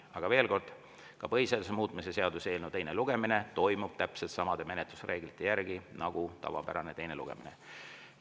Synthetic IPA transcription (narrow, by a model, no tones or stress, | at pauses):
ɑɡ̥ɑve̞ːlko̞rd̪̥ | kɑpɤjselsemuːt̪ˑmise̞se̞ɑd̪use̞ːlnut̪ejneluɡ̥e̞mine̞t̪o̞jmub̥̚t̪æpselt̪sɑmɑd̪e̞me̞net̪lusrʔe̞ːɡ̥lit̪ːˑe̞jæɾɡ̥inɑɡ̥ut̪ɑ̰vɑ̰pæ̰ɾɑne̞t̪e̞jne̞lṵɡ̥e̞̰minḛ